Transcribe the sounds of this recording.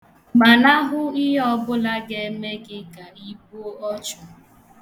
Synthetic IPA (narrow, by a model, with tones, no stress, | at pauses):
ma˨na˦ɦʊ˦i˦ɦɔ˦bʊ˦la˦ɡe˦me˦ɡɪ˦ka˨i˦bo˦ɔ˦t͡ʃʊ˨